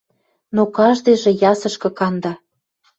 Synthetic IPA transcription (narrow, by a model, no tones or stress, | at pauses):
nokɑʒd̪eʒĕjɑsɤ̆ʃkɤ̆kɑnd̪ɑ